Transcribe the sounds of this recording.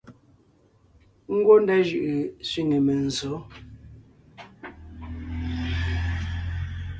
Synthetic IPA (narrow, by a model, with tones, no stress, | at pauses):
ŋ̩˦ɡwo˦ndɛ˦ʒʉ˨ʔɯ˨sɥi˦ŋe˨me˨n̩˨zo˨˦